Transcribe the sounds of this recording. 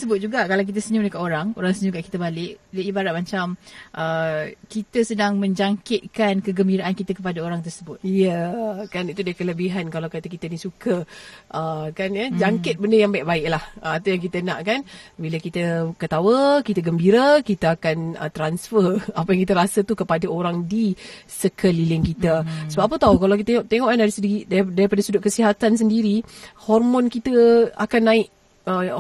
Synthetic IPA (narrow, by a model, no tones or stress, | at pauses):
səbʊt̪̚d͡ʒuɡaʔkalawk̬it̪əsəɲumənəkaʔoɾaŋo̰ɾaŋsəɲukaʔkit̪əbalɪʔdəibaɾat̪̚mat͡ʃamʔəkit̪əsədaŋmə̃ɲd͡ʒaŋkɪt̪̚kankəɡəmbiɾaʔankit̪əkəpadaoɾaŋt̪ərsəbʊt̪̚jəkanit̪udaəkələbiɦankalawkat̪əkit̪ənisukəʔəkanjad͡ʒaŋkɪt̪̚bəndəjaŋbaiʔ̚baɪʔlahəat̪awjaŋk̬it̪ənã̰ʔkanbilakit̪əkət̪awəkit̪əɡəmbiɾakit̪əakanə̰t̪ɾansfəapajaŋkit̪əɾasət̪ukəpadaoɾaŋdi | səkʰəlilɪŋkit̪əsəbaʔpət̪awkalawkit̪əeŋɔʔt̪eŋɔʔkandaɾisədiiʔdaɾdaɾipadasudʊʔ̚kəsiɦat̪ans̬əndiɾihɔrmɔ̃nkit̪əa̰kanːãɪʔ | ə